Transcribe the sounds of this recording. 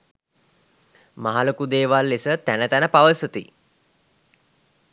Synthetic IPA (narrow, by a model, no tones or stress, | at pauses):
maɦalokud̪eːʋalːisət̪ænət̪ænəpaʋəsut̪i